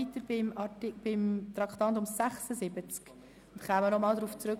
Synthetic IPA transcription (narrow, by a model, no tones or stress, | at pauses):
it̪əɾbɪmɑtɪb̥ɪmt̪ɾɑkt̪ɑntʊmsæχsəzɪbət͡sk | ʊntχæːmənɔmɑːlˠdɾuːft͡sɾøk